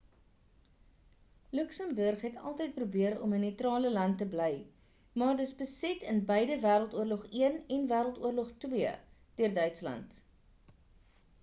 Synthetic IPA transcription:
lʉksəmbərχɦɛtɐ̰lˠtəjt̚prubiəɾɔ̰mənətrɑːləlɐntːəbləj | mɑːrdəsbəsɛtənbəjdəvæːɾəlˠtuərlɔχiənɛnvæːɾəlˠtuərlɔχtwiəd̥iərdœɥtslɐ̰nt

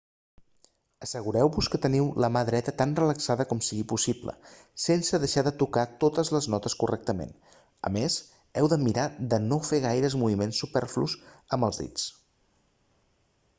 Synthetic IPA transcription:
əsəɣuɾɛwβuskət̪əniwləmaðɾɛt̪ət̪anrələksaðəkɔmsiɣipusiblə̰ | sensəðəʃaðət̪ukat̪ot̪əzləznɔt̪əskurʔɛk̚t̪əmḛn | ə̰mez | ɛwðəmiɾaðənofeɣajɾəzmuβimensːupɛɾflṵzəmbəlˠzðḭt͡s

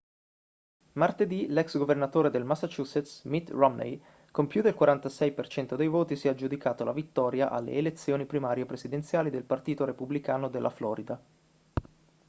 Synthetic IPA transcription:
mart̪ed̪ilɛksɡovernat̪oːɾed̪elmasːat͡ʃuːset̪smit̪rɔmnḛj | kompjud̪elkwaɾant̪asɛjpert͡ʃɛnt̪od̪ejvoːt̪isiɛad͡ʒud̪ikaːt̪olavit̪ːɔːɾjaʔa̰lːḛːlet̪sːjoːnipɾimaːɾjepɾesid̪ent̪sjaːlid̪elpart̪iːt̪oɾepublikaːnod̪elʔa̰flɔːɾid̪a

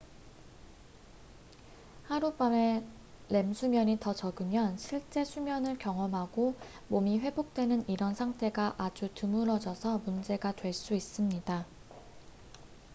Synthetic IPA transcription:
haɾup͈ame̞ | le̞msʰumjʌɲitʌt͡ɕʌɡɯmjʌnɕʰiɭt͡ɕ͈e̞sʰumjʌnɯɭkjʌŋʌmɦaɡo | momiɸwe̞bok̚t͈we̞nɯniɾʌnsʰaŋtʰe̞ɡaʔad͡ʑutɯmuɾʌd͡ʑʌsʰʌmund͡ʑe̞ɡatwe̞ɭs͈uis͈ɯmɲida

